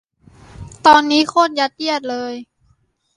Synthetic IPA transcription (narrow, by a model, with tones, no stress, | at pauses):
t̪ɔː˧nːiː˦˥˨xʰo˧˥˨nja˧˩t̪̚ji˧˥˩ət̪̚lɤː˧j